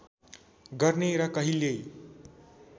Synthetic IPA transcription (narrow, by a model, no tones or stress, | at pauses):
ɡʌrneɾʌkʌɦile